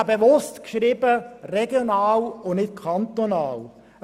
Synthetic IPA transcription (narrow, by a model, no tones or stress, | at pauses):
beʋʊstkʃɾiːbərɛɡjonaːlʊnɪt̚kʰɑnt̪onɑːl